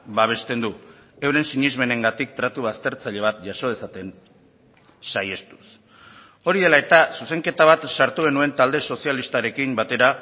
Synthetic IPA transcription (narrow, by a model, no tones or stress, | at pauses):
baβ̞e̞st̪e̞nd̪uewɾe̞nsiɲizme̞ne̞ŋɡat̪ik̚t̪ɾat̪uβast̪e̞ɾt͡saʎe̞β̞at̪̚ʝaʃo̞ðesat̪e̞n | saje̞st̪u̥s | o̞ɾið̞e̞lae̞t̪asuse̞ŋke̞t̪aβ̞at̪saɾt̪uɣ̞e̞nue̞nt̪ald̪e̞so̞sialist̪aɾe̞kimbat̪e̞ɾa